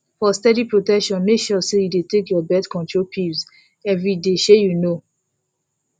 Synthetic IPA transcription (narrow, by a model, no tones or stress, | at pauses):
fɔstɛdipɹotɛkʃɔ̃nmekʃɔsejudetekjɔbɛdkɔ̃ntɹolpʰivz | ɛvɹideʃejuno